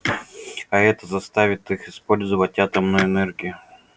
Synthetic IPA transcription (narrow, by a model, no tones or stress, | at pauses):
ɐɛt̪əzɐst̪avʲɪt̪ɨxɪspo̞lʲzəvətʲat̪əmnʊjʊɛnɛrɡʲijʊ